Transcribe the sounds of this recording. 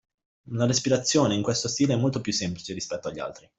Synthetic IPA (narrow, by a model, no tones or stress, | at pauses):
laɾespiɾat̪sːjoːneiŋkwest̪ost̪iːleɛmːolt̪opjusːemplit͡ʃeɾispɛt̪ːoaʎːa̰lt̪ɾi